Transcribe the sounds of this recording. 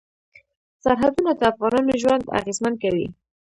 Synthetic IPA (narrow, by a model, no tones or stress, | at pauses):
saɾɦad̪unad̪əafɣɑnɑnoʒwand̪a̰ɣezmankawḭ